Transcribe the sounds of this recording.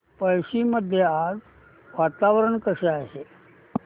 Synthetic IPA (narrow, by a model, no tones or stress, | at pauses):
pəjsiməd̪ʱjead͡z | ʋat̪aʋəɾəɳkəseaɦe